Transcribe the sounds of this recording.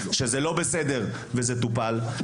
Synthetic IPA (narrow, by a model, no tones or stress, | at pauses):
ʃezelo̞besed̪e̞ʁ | vezet̪upal